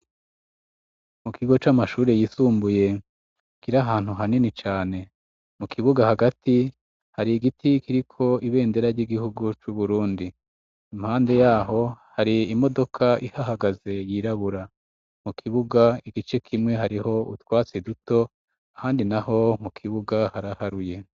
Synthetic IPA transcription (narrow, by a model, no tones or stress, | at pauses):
mukiɡo̞t͡ʃamaʃuːɾe̞jiːsuːmbuje̞ | kiɾaɦaːn̥huɦaninit͡ʃaːne̞ | mukʰiβuɡahaɡati | haɾiɡitʰikiɾikʰo̞iβe̞ːnde̞ɾaɾɟiɡihuɡut͡ʃuβuɾuːndi | imhaːnde̞jaːɦo̞haɾiimo̞do̞kʰaʔihaɦaɡaze̞jiɾaβuɾa | mukʰiβuɡaiɡit͡ʃe̞kʰimŋe̞ɦaɾiho̞utwaːt͡seduto̞ | ahaːndinaho̞mukʰiβuɡahaɾahaɾuje̞